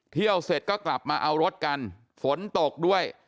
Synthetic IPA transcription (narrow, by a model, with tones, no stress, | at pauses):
t̪ʰi˥˩əwse˨˩t̪̚kɔː˥˩kla˨˩p̚maː˧ʔa˧wɾo˦˥t̪̚ka˧n | fo˩˦nt̪o˨˩k̚du˥˩əj